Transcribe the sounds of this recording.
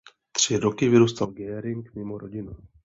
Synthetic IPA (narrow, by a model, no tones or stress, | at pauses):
t̪r̝̥ɪɾokɪvɪɾuːst̪alɡɛːɾɪŋkmɪmoɾoɟɪnu